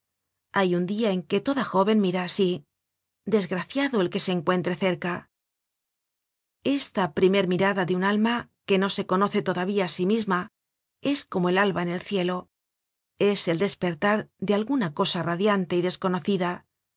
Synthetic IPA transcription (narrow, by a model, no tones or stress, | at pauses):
ajund̪iae̞ŋke̞t̪o̞ðaxo̞βe̞nmiɾaːsi | d̪e̞zɣɾaθjaðoelke̞se̞ːŋkwe̞nt̪ɾe̞θe̞ɾka | e̞st̪apɾime̞ɾmiɾaðaðeunalmake̞no̞se̞ko̞no̞θe̞t̪oðaβiaːsimizma | e̞sko̞moelalβaene̞lθje̞lo̞ | e̞se̞ld̪e̞spe̞ɾt̪aɾðealɣunako̞saraðjant̪e̞iðe̞sko̞no̞θiða